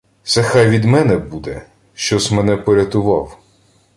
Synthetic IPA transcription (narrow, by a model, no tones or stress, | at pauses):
sɛxɑjʋʲid̪mɛnɛbud̪ɛ | ʃt͡ʃɔsmɛnɛpɔɾʲɐt̪ʊʋɑw